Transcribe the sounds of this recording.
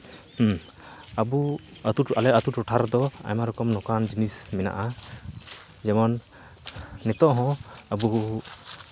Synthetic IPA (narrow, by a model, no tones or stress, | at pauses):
h | abuat̪uʈalɛat̪uʈɔʈʰaɾd̪ɔa̰jmaɾɔkɔmnɔkand͡ʒinismɛna̰ʔa | d͡ʒɛmɔnː | ɛt̪ɔʔɦɔ̃abu